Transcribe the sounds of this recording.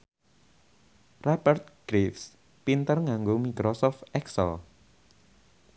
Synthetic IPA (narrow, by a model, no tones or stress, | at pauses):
rabərt̪̚ɡ̥ɾifs | pint̪ərŋaŋɡomikɾɔsɔft̪ɛksə̰l